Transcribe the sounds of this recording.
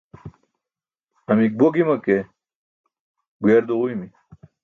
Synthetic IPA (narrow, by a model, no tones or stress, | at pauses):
ɐmik̚boɡimɐke | ɡweɾd̪uʁuimi